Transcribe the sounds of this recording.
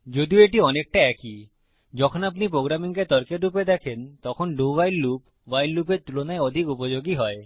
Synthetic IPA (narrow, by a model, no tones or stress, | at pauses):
d͡ʑod̪ioeʈiɔnek̚ʈaɛki | d͡ʑɔkʰonapnipɾoɡɾamiŋket̪ɔɾkeɾːuped̪ɛkʰent̪ɔkʰonɖuwajlːup | wajlːupeɾt̪ulonaeod̪ʱikupod͡ʑoɡiɦɔe